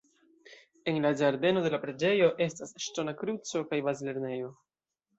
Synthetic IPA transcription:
e̞nlad͡ʒaɾde̞no̞de̞lapɾe̞d͡ʒe̞jo̞ʔe̞stasʃto̞nakɾut͡so̞kajbazile̞ɾne̞jo̞

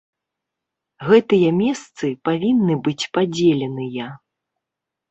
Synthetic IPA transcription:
ɣɛt̪ɨjɐmʲɛst̪sɨpavʲinːɨbɨt͡sʲpad͡zʲelʲɛnɨjɐ

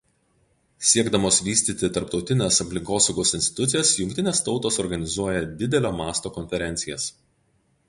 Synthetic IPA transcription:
sʲiɛɡd̪ɐmoːsʋʲiːsʲt̪ʲiːt̪ʲɪt̪ɐɾpt̪ɒʊt̪ʲɪnʲesɐpʲlʲɪŋkoːsɒʊɡoːsɪnsʲt̪ʲɪt̪ʊt̪sʲɪjɛːsjʊŋʲkʲt̪ʲɪnʲeːst̪ɒʊt̪oːsɔɾɡɐnʲɪzuɔjɛd̪ʲɪd̪ʲɛlʲoːmɑːst̪oːkɔnʲfʲɛɾʲɛnʲt̪sʲɪjɛs

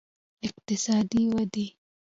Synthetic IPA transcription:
ʔɪq̚t̪ɪsaːd̪iːwad̪iː

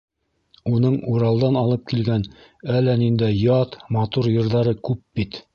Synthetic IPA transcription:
unɤɴuɾɑlˠd̪ɑnɑlˠɤp̚kilɡænælːænind̪æjɑt̪mɑt̪uɾjɤ̆ɾðɑɾɤkʉp̚bit̪

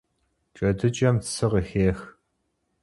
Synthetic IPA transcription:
t͡ʃʼɐdɨt͡ʃʼɐmsɨʁəxeːx

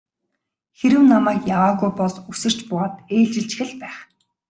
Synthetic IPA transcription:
xeɾɘ̆wnamæːkjawaːɣujpɔɮusɘ̆r̥t͡ɕpʊʁaːt̪eːɮt͡ɕɪ̆ɬt͡ɕ̆xɘ̆ɮpæːχ

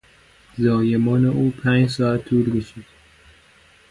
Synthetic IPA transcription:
zɒːjemɒːneʔuːpʰæːnd͡ʒs̬ɒːæt̪ʰːuːlɡesiːd̪̥

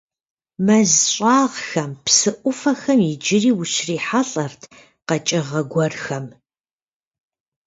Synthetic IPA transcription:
mɐzɕʼaːʁxɐmpsɨʔʷʊfɐxɐmɪd͡ʒɪriːwʊɕriːħaɬʼɐrtʰ | qɐt͡ʃʼɐʁɐɡʷɔrxɐm

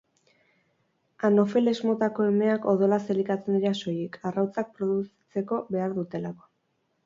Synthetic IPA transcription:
ano̞fe̞lezmo̞t̪ako̞e̞me̞ako̞ð̞o̞lase̞likat͡se̞niɾaso̞jekʰarawt͡sak̚pɾo̞ðus | t͡se̞ko̞βe̞aɾðut̪e̞lako̞̥

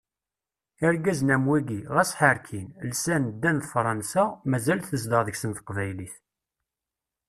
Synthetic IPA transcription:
ɪɾɡæznæmwiɡiʁæsħəɾkʰinlsænd̪ːænðfɾˤɑnsamæzælθəzd̪əʁðəçsənθə̥qvæjliθ

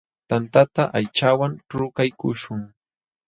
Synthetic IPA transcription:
t̪ant̪at̪aʔajt͡ʃawanʈ͡ʂʊkajkʊʃʊŋ

